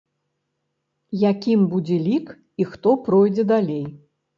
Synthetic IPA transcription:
jakʲimbud͡zʲɛlʲik | ixt̪ɔpɾɔjd͡zʲɛd̪alʲej

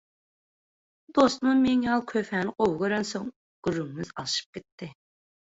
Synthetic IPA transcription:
d̪ost̪mʊmeŋjɑlˠkʲʰøfɛːnɨqʰowɡʲøɾɛnsoŋ | ɡ̥yɾyŋmɪz̥ɑ̰lˠɨʃɨ̥p̚kʲet̪ʰːɪ

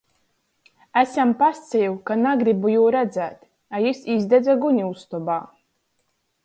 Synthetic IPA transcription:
æsampast̪sɛjukanaɡɾibujuːɾæd̪zæːt̪ | ajisizd̪ɛd͡z̪aɡunʲiust̪ɔbaː

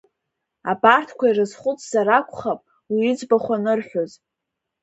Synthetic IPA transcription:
abartʰkʷʰairɨzχʷʊt͡sʰʼz̥aɾakʷʰʼχapʼ | wiːd͡zbaχʷanɨrħʷᶣoz

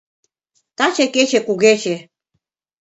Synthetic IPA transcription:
t̪ɑt͡ɕeket͡ɕekuɣet͡ɕe

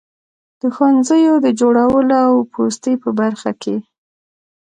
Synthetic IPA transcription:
d̪̥əxwanzəjod̪əd͡ʒoɽawəloawpʰost̪əjpəbaɾxakʰe

